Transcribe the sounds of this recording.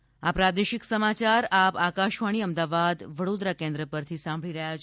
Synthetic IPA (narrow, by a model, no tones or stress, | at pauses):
apɾad̪eʃɪksəmat͡ʃaɾapakaʃʋaɽ̃iəmd̪aʋad̪ʋəɽod̪ɾakẽnd̪ɾəpəɾt̪ʰisãmbʱɭiɾəɦjat͡ʃʰ